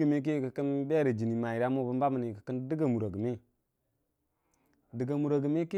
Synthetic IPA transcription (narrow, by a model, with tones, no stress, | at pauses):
ɡə˨mi˦k̬i˦˨kə˨kə˦n˦be˦ɾə˨d͡ʒi˨ni˨ma˨i˨ɾa˦mu˦bu˦mba˦mə˨ni˨kə̥˨kə˦ndə˦ɡa˨mu˨ɾo˨ɡə˨mi˦ | də˨ɡa˨mu˨ɾo˨ɡə˨mi˦k